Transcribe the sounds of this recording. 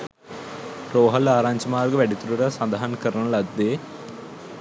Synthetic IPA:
roːɦɐlaːɾaːɲd͡ʑɐmaːrɡɐʋeɽit̪ːuɽuɾɐsɐnd̪ɐɦɐnkɐɾɐɳɐɭɐd̪eː

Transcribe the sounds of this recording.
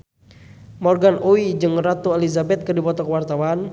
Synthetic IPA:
mɔrɡanʔowid͡ʒɨŋrat̪uɛlizabɛt̪̚kədipɔt̪ɔkəwart̪awan

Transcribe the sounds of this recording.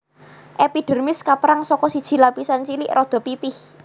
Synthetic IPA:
ʔepiɖ̥ə̤rmɪskapəɾaŋsɔkɔsid̥ʒ̥i̤lapisant͡ʃilɪʔrʔɔd̪̥ɔ̤pipɪh

